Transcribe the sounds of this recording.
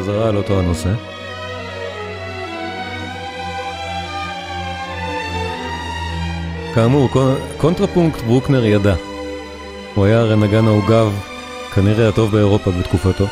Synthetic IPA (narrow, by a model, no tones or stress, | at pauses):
azaʁaːlo̞to̞ano̞se̞ | kaːmuʁko̞ntʁapuŋktbʁukne̞ʁjada | uajaʁenaɡanauɡav | kaniʁeato̞vbe̞ːʁo̞pabet̪kufato̞